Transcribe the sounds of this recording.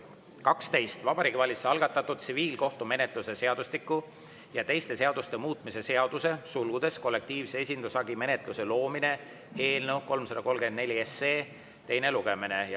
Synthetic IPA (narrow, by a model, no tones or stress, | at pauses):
kɑkst̪e̞jst̪vɑb̥ɑɾiːɡivɑlʲit̪seɑlɡ̥ɑt̪ːˑɑt̪ːˑud̪̥t̪siviːlko̞ht̪ume̞ne̞t̪ˑluse̞se̞ɑd̪̥uslikːˑu | jɑt̪e̞jst̪e̞se̞ɑd̪ust̪e̞muːt̪ˑmise̞se̞ɑd̪̥use̞sulɡ̥ud̪e̞sko̞lːe̞k̚t̪iːvsee̞sʲind̪̥usɑɡime̞ne̞t̪ˑluse̞lo̞ːmine̞ | e̞ːlnewko̞lmsɑd̪̥ɑko̞lmɡke̞nd̪ne̞lʲieseː | t̪e̞jne̞luɡe̞mine̞j